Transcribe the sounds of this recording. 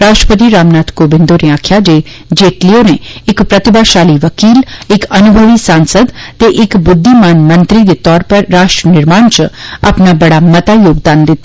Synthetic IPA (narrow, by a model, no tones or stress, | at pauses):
ɾaːsʃʈɾəpət̪̬iɾaːmnaːt̪koːbɪ̃nd̪oɾeaːkʰjad͡ʒe | d͡ʒeːʈlijoneɪkpɾɐt̪ɪbaʃaːliʋɐkiːlɪkɐnʊbʱəʋisãːnsəd̪t̪eʔɪkbʊd̪ʱːimaːnmɐ̃nt̪ɾid̪et̪ɔːɾpɐɾːaːʃʈɾənɪɾmaːɳt͡ʃa̰pnabɐɽamɐt̪ajoːɡd̪aːnd̪ɪt̪